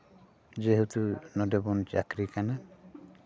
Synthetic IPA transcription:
d͡ʒeɦut̪unɔdebɔnt͡ʃakɾikana

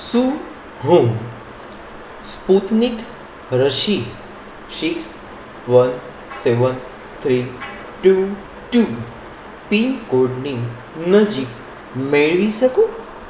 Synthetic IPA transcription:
su | ɦõŋ | sput̪nik | ɾəʃi | siks | ʋən | seʋən | t̪ʰɾi | ʈu | ʈu | pikoɖni | nəd͡ʑik | meɭʋisəku

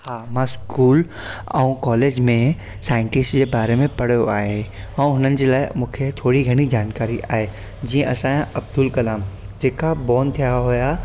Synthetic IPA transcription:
haːmãskuːl | ɐ̰ũkɔːleːd͡ʑmẽ | saːɪ̃ɳʈɪsʈd͡ʑebaːɾemẽpɐɽ̤joaːee | ɐũɦʊnənɪ̆d͡ʑelaːɪmũːkʰet̪ʰoːɽiɡʱɐɽ̃id͡ʑaːnkaːɾiʔaːɦe | d͡ʑiẽʔɐsãjãɐb̚d̪ʊlkɐlaːm | d͡ʑeːkabɔːnt̪ʰijaɦʊja

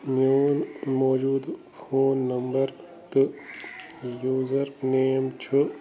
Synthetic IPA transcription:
njuːnmɔːd͡ʒuːd̪ | pʰoːnːɐmbɐɾ | t̪ɨ | juːzɐɾneːmt͡ʃʰu

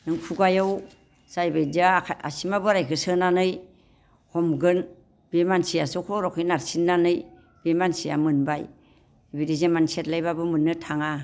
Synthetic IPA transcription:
nɯŋpʰuɡajaw | sajbajdaa̰simabɯɾajkʰɯsɯnanɯj | hɔmɡɯn | b̥emansijasɯkʰoɾɔkʰɯjnaɾsinːanɯj | b̥emansija̰mɯnbaj | biɾizamansetlajbabɯmɯnːɯtʰaŋa

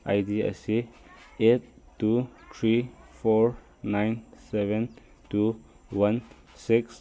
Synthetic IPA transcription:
ʔa̰jdiɛ̰si | et̚tːut̪ʰɹifɔɹ | nãjnsɛvə̃n | tu | wãn | siks

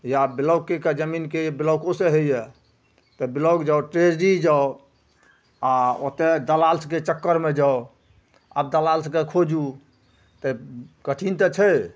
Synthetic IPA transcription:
jabiləwkːeked͡ʒəminkebiləwkoseɦejɛ | t̪əbiləwkd͡ʒaoʈɾed͡ʒɖid͡ʒao | ao̰t̪ed̪əlalsket͡ʃəkːəɾmed͡ʒao | a̰bd̪əlalskekʰod͡ʒu | t̪əkəʈʰint̪ət͡ʃʰəj

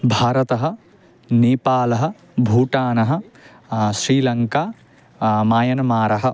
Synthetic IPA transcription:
bʱaːɾɐt̪ɐɦɐ̆ | neːpaːlɐɦɐ̆ | bʱuːʈaːnɐɦɐ̆ | sɾiːlɐŋkaː | maːjɐnɐmaːɾɐɦɐ̆

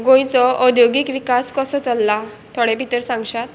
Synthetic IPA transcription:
ɡõjt͡sɔʔɔd̪ʱjoɡikʋikaskɔsɔt͡səlːa | t̪ʰɔɽepit̪əɾsãŋɡɕat̪

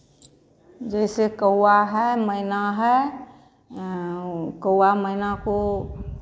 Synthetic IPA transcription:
d͡ʒɛɪsekəuaɦɛməɪnaɦɛ | kəwwaməɪnako

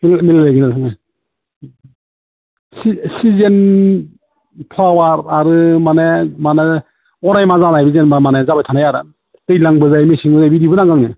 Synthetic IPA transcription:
milmillɯɡinasʰɯŋaj | sisizen | pʰlawaɾaɾɯmanemane | ɔnajmazanajbizenamanezabajtʰanajaɾɯ | tɯjlaŋbɯzajmesiŋbɯzajbidibɯnaŋɡaŋnɯ

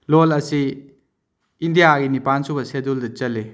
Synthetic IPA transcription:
lolɐsi | ndijaɡinipansubɐseduldɐt͡ʃɐlːe

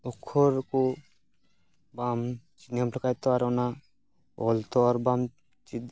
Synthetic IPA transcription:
ɔkʰːɔɾku | bam | t͡ʃinamplɔkajt̪ɔaɾɔna | ɔ̰lt̪ɔaɾbam | t͡ʃid̪

